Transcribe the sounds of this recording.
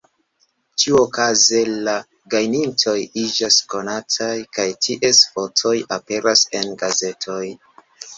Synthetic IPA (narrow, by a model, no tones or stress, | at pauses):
t͡ʃiuokaze̞la | ɡajnintʰo̞jid͡ʒasko̞natʰajkajtʰiʔe̞sfo̞t͡so̞jape̞ɾase̞nɡaze̞tʰo̞j